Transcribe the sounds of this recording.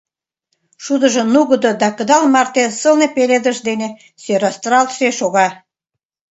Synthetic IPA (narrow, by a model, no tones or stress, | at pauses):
ʃud̪ə̆ʒɤ̆nuɣə̆d̪od̪ɑkə̆d̪ɑlmɑrt̪esəlnepeled̪ə̆ʃd̪ene | søɾɑst̪rɑlt̪ʃeʃoɣɑ